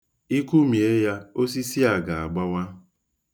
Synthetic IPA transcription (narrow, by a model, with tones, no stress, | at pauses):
i˦ku˦mi˨e˦ja˦o˦s̬i˦si˦a˨ɡa˨a˨ɡ͡ba˦wa˦